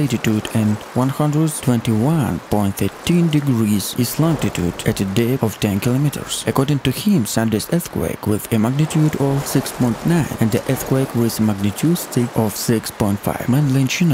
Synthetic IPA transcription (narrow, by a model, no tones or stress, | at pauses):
etitudɛ̃nwʌ̃nhʌ̃ndɹəd̚tʰw̥ɛ̃ntiwʌ̃npɔ̃ɪ̃nt̪θɛtʰĩndɨɡɹizɪzlɔ̃ŋtitʰṵdætɨdeɔv̥tɛ̃nkilomitə̰ɹsʔəkɔɹdɪ̃ŋtuhɪ̃msãndesɛθkwḛɪkwɪðɨmaɡ̚nitʰjudɔv̥sɪkspɔ̃ɪ̃ntnãɪ̃nɨ̃nðiʔɛθkwekwɪzmaɡ̚nɨtʰudstɪkʔɔv̥sɪkspɔ̃ɪ̃ntfa̰ɪvmɛ̃nlĩnt͡ʃĩn